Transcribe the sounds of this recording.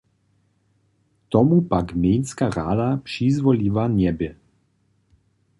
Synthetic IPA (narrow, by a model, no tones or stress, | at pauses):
t̪ɔmupakmjɛjnskaʁad̪apʂizvɔliːvanʲɛbɪ